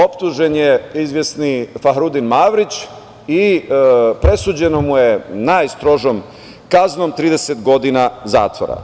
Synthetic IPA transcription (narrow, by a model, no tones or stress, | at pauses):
o̞pt̪uʒe̞njeizʋje̞snifaɦɾud̪inmaʋɾit͡ɕ | i | pɾe̞suːd͡ʑe̞no̞muje̞najst̪ɾo̞ʒom | kazno̞mt̪ɾiːd̪eset̪ɡo̞d̪inaza̰ːt̪ʋo̰ɾa̰